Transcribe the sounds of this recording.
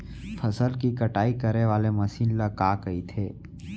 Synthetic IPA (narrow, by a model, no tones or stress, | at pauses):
fʰɐsəlkikɐʈaːikɐɾeʋaːlemɐsiːnləkaːkɐit̪ʰeː